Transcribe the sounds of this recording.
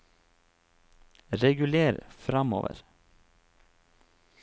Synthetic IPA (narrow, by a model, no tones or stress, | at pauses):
ɾɛɡʉleːɾfɾɑmo̰ːʋə̰ɾ